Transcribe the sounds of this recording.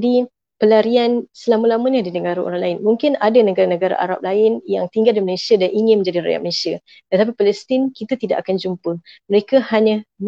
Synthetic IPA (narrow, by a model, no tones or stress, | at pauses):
di | pəlaɾiansəlamalaməɲadidəŋaɾo̰ɾaŋlaɪnmuŋkɪnadanəɡaɾanəɡaɾa̰ʔa̰ɾa̰p̚laɪnjaŋt̪iŋɡaldiməlesjadanʔiŋɪnməɲd͡ʒadiɾa̰ja̰ʔməlesja | t̪ət̪ap̬ipalɛst̪ɪnkit̪at̪idaʔakand͡ʒumpəməɾekahaɲãm